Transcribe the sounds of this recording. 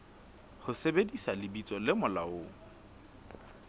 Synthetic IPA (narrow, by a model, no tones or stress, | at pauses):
hʊsebedisalɪbit͡sʼɔlɪmʊlaoː